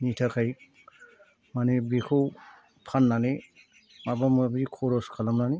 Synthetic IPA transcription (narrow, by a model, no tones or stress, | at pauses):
nitʰakʰaj | manebikʰɯw | pʰanːane | mabamabikʰɔɾɔskʰalamnani